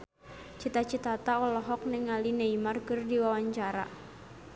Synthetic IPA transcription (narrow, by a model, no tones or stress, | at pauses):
t͡ʃit̪at͡ʃit̪at̪aɔlɔɦɔk̚nɪŋalineimarkɨrdiwawaɲt͡ʃaɾa̰